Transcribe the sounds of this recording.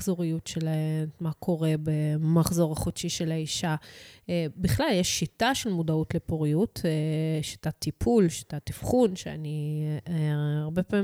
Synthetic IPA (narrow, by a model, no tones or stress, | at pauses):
zoʁijutʃelaemakʰo̞ʁe̞bemaχzo̞ʁaχotʃiʃe̞laiʃaebiχlaljeʃːitaʃelmodautlepoʁijuteʃitatipʰulʃi̥tatifχunʃea̰ni | aʁbe̞paːmi